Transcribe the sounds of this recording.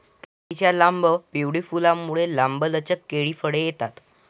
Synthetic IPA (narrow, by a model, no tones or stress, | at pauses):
k̪ət̪it͡ɕjalambəpiʋɽifulamuɭelambələt͡ɕəkːeɭifəɽejet̪at̪